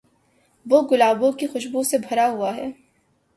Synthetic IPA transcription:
ʋoːɡʊlaːbõkixʊʃbũsebʱɐɾaɦuaɦɛː

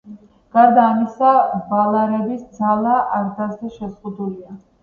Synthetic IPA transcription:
ɡ̥aɾd̪aːmisabalˠaɾɛbisd̪zalˠaʔaɾd̪azd̪ɛʃɛzʁud̪ulia

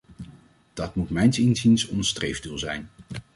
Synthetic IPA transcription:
d̥ɑtmutmɛjnsinzinsɔnstrejvdulˠzɛjn

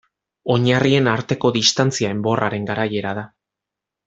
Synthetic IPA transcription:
o̞ɲarie̞naɾt̪e̞ko̞ðist̪ant͡siae̞mbo̞rʔaɾe̞ŋɡaɾaje̞ɾað̞a

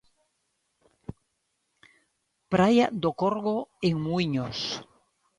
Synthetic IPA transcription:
pɾajad̪okoɾɣoeŋmuiɲos

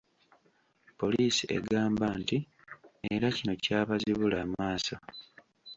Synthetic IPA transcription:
po̞liːsie̞̰ɡaːmbaːnti | eɾacino̞caːβaziβulaːmaːsa

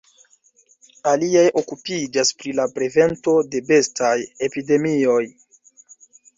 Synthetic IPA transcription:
aliajʔokupid͡ʒaspɾilapɾe̞ve̞nto̞de̞be̞staje̞pide̞mio̞j

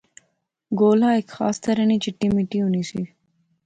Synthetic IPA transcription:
ɡoːlɑekxɑ̰ːst̪ɐɾənit͡ʃeʈimiʈiunisi

